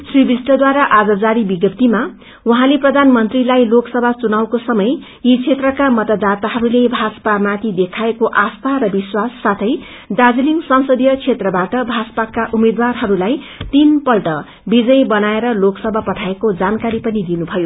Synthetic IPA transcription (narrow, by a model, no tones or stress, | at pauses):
sribisʈʌd̪waɾaʔad͡zʌd͡zaɾibiɡʌp̚t̪ima | uɦãleprʌd̪ʱanmʌnt̪rilajloksʌbʱat͡sunawkosʌmʌj | jit͡sʰet̪rʌkamʌt̪ʌd̪at̪aɦʌɾulebʱad͡zʌ̥pamat̪ʰid̪ekʰaekoʔast̪ʰarʌbiswasːat̪ʰʌj | ɖad͡ziliŋsʌnsʌd̪ijʌt͡sʰet̪rʌbaʈʌbʱasʌ̥pakaʔumed̪warɦʌɾulaj | t̪inpʌlʈʌ | bid͡zʌjbʌnaeɾʌloksʌbʱapʌʈʰaekod͡zankaɾipʌnid̪inubʱʌjo